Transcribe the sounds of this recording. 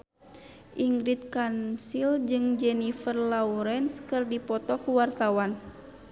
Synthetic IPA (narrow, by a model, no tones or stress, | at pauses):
ʔiŋɡɾit̪̚kansild͡ʒɨŋd͡ʒɛnifərlauɾɛnskɨrdipɔt̪ɔkuwart̪awan